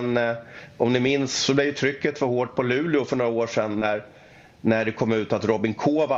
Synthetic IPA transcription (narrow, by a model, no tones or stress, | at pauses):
nʔɔmnɪmɪnsːɔblɛɾjɵt̪ʰɾʏkːət̪fɔhoːʈ̚pʰɔlʉ̟ːlɪʊfœɳoːɾaoːʂɛnːæɾ | næɖɛkʰɔmːʉ̟ːt̪at̪ɾɔbɪŋkʰoːva